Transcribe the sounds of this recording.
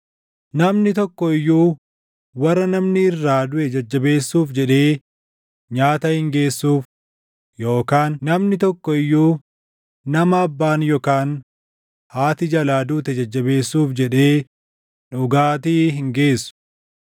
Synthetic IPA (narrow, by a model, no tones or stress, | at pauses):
nɐmnɪt̪ɔkːɔɪjːuː | wɐrːɐnɐmnɪɪrːaːd̪ʊʔɛd͡ʒɐd͡ʒːɐbe̞ːsːuːfd͡ʒɛᶑe̞ː | ɲaːt̪ɐhɪŋɡe̞ːsːuːf | jo̞ːkaːnːɐmnɪt̪ɔkːɔɪjːuː | nɐmɐːbːaːnjoːkaːn | haːt̪ɪd͡ʒɐlaːd̪uːt̪ɛd͡ʒɐd͡ʒːɐbe̞ːsːuːfd͡ʒɛᶑe̞ː | ᶑʊɡaːt̪iːɦɪŋɡe̞ːsːʊ̥